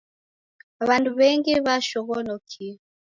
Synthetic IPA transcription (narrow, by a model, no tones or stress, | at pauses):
βanduβɛŋɡiβaʃɔɣɔnɔkʰi